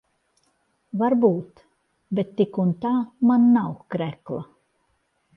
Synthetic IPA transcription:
vaɾbuːt̪ | bet̪ːikunt̪aːmanːawkɾɛklˠa̰

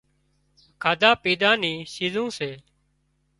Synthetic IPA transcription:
kʰaːd̪aːpiːd̪aːniːsiːzũːseː

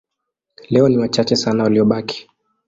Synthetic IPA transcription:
lɛɔniwat͡ʃat͡ʃɛsanawaliɔɓaki̥

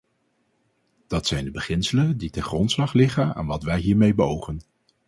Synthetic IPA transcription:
d̥ɑtsɛjndəbəχɪnsələnditɛnχrɔntslɑχlɪχəna̰ːnʋɑtʋɛjɦiːɹmejbəowχən

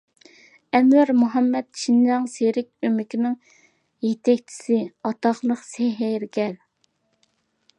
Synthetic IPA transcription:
ɛmwæɾmuɦɑmːɛt̪̚ʃʰinjɑŋseɾɪkʲømɪkʲinɪŋ | jet̪ʰɛk̚ʲt͡ʃʰi̥sɪɑt̪ɑχlˠəqseɦɪɾkʲɛɾ

